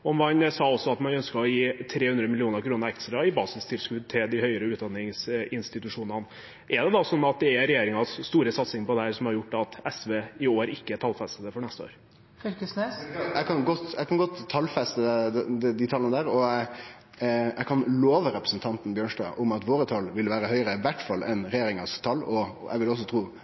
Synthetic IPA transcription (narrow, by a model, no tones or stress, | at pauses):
ɔɔmʋɑnsɑːɔsːɔɑt̪mɑnœnskəɔjiːt̪ʰɾeːhʉnd̪ɾəmɪlɪuːnəɾkʰɾuːnəɾɛksəɾɑɪbɑːsɪst̪ʰɪlskʉːd̪̚t̪ʰɪld̪ɪhœʏəɾəʉːt̪̚d̪ɑnːɪŋsɪnst̪ɪt̪ʉʂuːnɑn | ʔɛɖɛd̪ɑsɔnːɑt̪̚d̪ɛæɾɛjeːɾɪŋɑsːt̪uːɾəsɑt̪sɪŋpɔd̪ɛæɾsɔmhɑɾjʊʈːɑt̪ɛsʋeːɪoːɾɪkːəæʈʰɑlfɛst̪əd̪əfɔɳɛst̪əo̰ːɾ | fylkəsnesækʰɑnɡɔt̪ːæɪkɑnɡɔt̪ʰːɑlːfɛst̪əd̪ɛd̪ɪt̪ʰɑlənəd̪æːɾɔæ | æɪkʰɑnloːʋəɾɛpɾə̥sənt̪ʰɑnt̪n̩bjøːɳʂɖɑ̰ːʔʊmɑt̪ʋoːɾət̪ʰɑlʋɪlʋæːɾəɦœʏɾəʋæʈfɑlːʔɛnɾɛjeːɾɪŋɑst̪ʰɑlːɔæ̰ʋɪlɔs̬ːɔt̪ʰɾuː